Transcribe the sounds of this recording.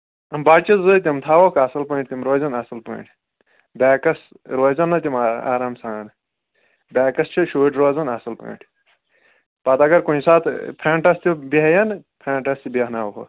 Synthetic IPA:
ɐmbaːt͡ʃizət̪̬ʲimt̪ʰaːʋoːkɐsɐlpɐːɳʈ̚ʲt̪ʲimɾoːzɐnɐsɐlpɐ̰̃iʈʰ | bʲaːkɐs | ɾoːzɐnːɐt̪ʲima̰ːɾaːmsãːnɨ | bʲaːkɐst͡ʃʰiʃuːʈɾoːzɐnɐsɐlpɐ̰̃iʈʰ | pɐt̪ɐɡɐɾkunisaːt̪ʰpʰɾaːɳʈɐst̪ʲibiɦɐjɐnpʰɾãːɳʈɐst̪ʲibeɦnaːʋɦo̰

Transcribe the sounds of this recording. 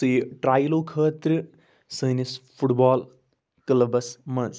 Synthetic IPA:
sɨːʈɾaːjloːkʰəːt̪ɾɨ | səːnisfʰuʈbaːl | klɐbɐsmɐnz

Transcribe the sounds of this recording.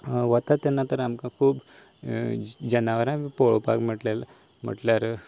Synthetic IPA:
ʋət̪at̪ːɛnːat̪əɾamkãkʰuːb | d͡ʑənaʋəɾãipoɭopa̰km̤əʈlel | m̤ə̰ʈljaɾə

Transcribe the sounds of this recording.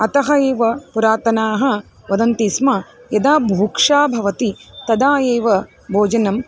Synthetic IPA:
ɐt̪ɐɦɐeːʋɐpuɾaːt̪ɐnaːɦɐ̆ | ʋɐd̪ɐnt̪ismɐjɐd̪aːbʱuːkʂaːbʱɐʋɐt̪it̪ɐd̪aːjeːʋɐ | bʱoːd͡ʒɐnɐm

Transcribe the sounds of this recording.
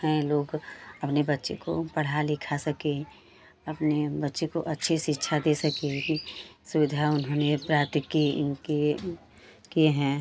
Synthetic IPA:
ɦɛ̃loːɡɐpnebətːʃḛko̰pɐɽ̤alɪkʰasəke | ɐpnebətːʃekoʔɐtːʃʰiʃɪtːʃʰad̪esəkeisʊʋɪd̪ʱaʊnɦoːnepɾaːɾt̪ɪkːiɪ̰nke | kieɦɛ̃

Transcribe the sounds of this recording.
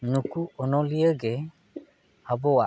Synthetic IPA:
nukuɔnɔlijəɡe | abɔwa

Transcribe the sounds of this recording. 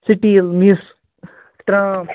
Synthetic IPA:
siʈilmis | t̪ɾã

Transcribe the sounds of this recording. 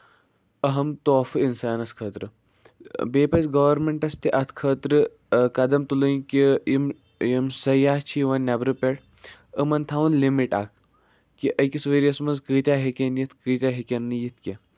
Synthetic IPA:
ɐɦɐmt̪oːfɨinsaːnɐskʰəːt̪ɾɨ | beːpɐt͡sɡɐʋɐɾmeɳʈɐst̪iʔɐt̪ʰkʰəːt̪ɾɨ | kɐd̪ɐmt̪ulɨjkiim | imsɐjaːht͡ʃʰiʋɐnːʲabɾɨpeʈ | əmɐnt̪ʰaːʋunlimiʈa̰ːkʰ | kiʔɐkʲisʋeɾijɐsmɐnzkɨːt̪ʲaːɦekʲenjit̪ʰkɨːt̪ʲaːɦekʲɐnːɨjit̪ʰkʲe

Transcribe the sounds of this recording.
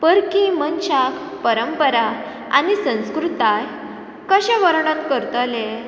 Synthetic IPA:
pəɾkimənɕak | pəɾəmpəɾa | a̰nisə̃w̃skɾut̪aj | kəɕẽʋəɾɳənkəɾt̪əle

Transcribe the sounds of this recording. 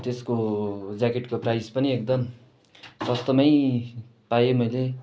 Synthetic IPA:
t̪eskod͡zakeʈkoprajspʌniek̚d̪ʌm | sʌst̪ʌmʌj | pajemʌjle

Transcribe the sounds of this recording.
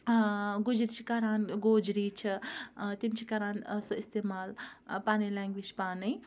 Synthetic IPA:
ɡud͡ʒɾit͡ʃʰikaːɾaːnɡoːd͡ʒɾiːt͡ʃʰit̪imt͡ʃʰikaɾaːnsoist̪eːmaːlpaːnilaːŋɡʋid͡ʒpaːnij

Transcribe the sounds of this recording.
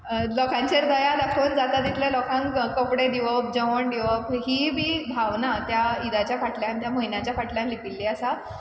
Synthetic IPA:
lɔkãɲt͡ɕeɾd̪əjad̪akʰoːnd͡zat̪ad̪it̪ʰljalɔkʰãŋkkəpɽed̪iʋəp̚d͡ʑəʋəɳɖ̪iʋəpɦibʱiːbʱaʋnat̪jaid̪at͡ɕjafaʈljãnt̪jaməɦinat͡ɕjafaʈljãnlipilːiːasa

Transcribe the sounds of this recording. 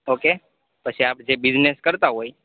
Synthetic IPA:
oke | pət͡ʃʰiaːp̚d͡ʒebɪd͡ʒneskəɾt̪aɦoːi

